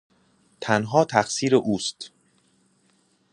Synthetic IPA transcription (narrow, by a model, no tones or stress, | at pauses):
t̪ʰænɦɒːt̪ʰæxsiːɾeʔuːst̪